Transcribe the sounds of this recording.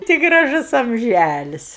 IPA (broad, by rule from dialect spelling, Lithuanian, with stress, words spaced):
ˈtʲɪ ɡrɐˈʒʊs ɐmʲˈʒʲælʲɪs